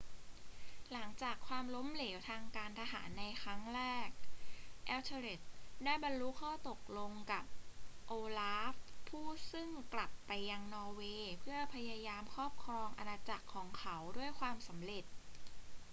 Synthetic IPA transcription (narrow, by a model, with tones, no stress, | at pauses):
la˩˦ŋt͡ɕaː˨˩kʰːwaː˧mlo˦˥mleː˩˦wt̪ʰaː˧ŋkaː˧nt̪ʰa˧ɦa̰ː˩˦nːa˧jkʰɾa˦˥ŋɾɛː˥˩k̚ʔɛː˦˥wt̪ʰa˧ɾe˨˩t̪̚daː˥˩jba˧nlu˦˥kʰɔː˥˩t̪o˨˩k̚lo˧ŋka˨˩p̚ʔoː˧laː˦˥fpʰːuː˥˩sɯ˥˩ŋkla˨˩pːa˧jːa˧ŋnɔː˧weː˧pʰɯ˥˩ɐpʰa˧jaː˧jaː˧mkʰɔː˥˩p̚kʰɾɔː˧ŋʔa˧naː˧t͡ɕa˨˩kʰːɔː˩˦ŋkʰa˦wdu˥˩əjkʰwaː˧msa˩˦mɾe˨˩t̪̚